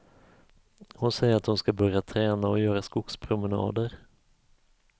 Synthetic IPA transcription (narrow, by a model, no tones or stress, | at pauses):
hʊnsɛjəɾat̪̚hʊnskabœɾjat̪ʰɾɛːnaɔjœːɾaskʊkspʰɾʊmənɑ̰ːd̪əɾ